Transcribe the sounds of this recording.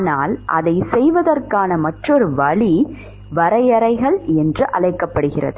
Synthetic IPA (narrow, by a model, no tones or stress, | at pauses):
naːlʔɐ̰ðɐɪsɛjʋɐðɐrkaːnɐmɐʈrɔɾɯʋɐɭi | ʋɐɾɐjɐɾɐɪɣɐɭɛndrɯʔɐ̰ɭɐɪkːɐpːɐɽɯɣɪrɐ̰ðɯ